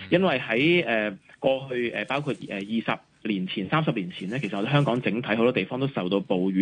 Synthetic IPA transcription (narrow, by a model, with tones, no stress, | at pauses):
jɐ˥nwɐ˨jhɐ˨˥jʔɛː˨kɔː˧ɦɵ˧ɥʔɛː˨paː˥wkʰuː˧t̚ʔɛː˨˩jiː˨˩sɐ˨p̚ | liː˨˩nt͡sʰiː˨˩nsaː˥msɐ˨p̚liː˨˩nt͡sʰiː˨˩nlɛː˥kʰe˨˩s̚ɔ˧˥e˧˥ɦœː˥ŋkɔː˨˥ŋt͡sɪ˨˥ŋt̪ʰɐ˨˥jho˨˧wt̪ɔː˥t̪jfɔː˥ŋt̪o˥wsɐ˨wt̪o˧wpo˨wɥyː˨˦